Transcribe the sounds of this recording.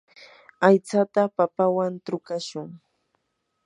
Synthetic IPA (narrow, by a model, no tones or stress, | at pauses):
ajt͡sat̪apapawant̪ɾʊkaʃʊŋ